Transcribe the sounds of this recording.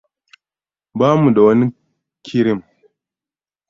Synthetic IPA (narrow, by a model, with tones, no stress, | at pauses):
baː˦mu˨da˨wɐ˦ni˦ | kʲʰɪ˦ɾɪ˦m